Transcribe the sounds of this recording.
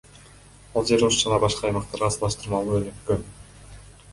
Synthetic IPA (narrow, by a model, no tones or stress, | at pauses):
ɑlˠd͡ʒe̞ɾusd͡ʒɑnɑbɑʃqɑːjmɑq̚t̪ɑɾʁɑsɑlˠɑʃt̪ɯɾmɑlˠuønykːøn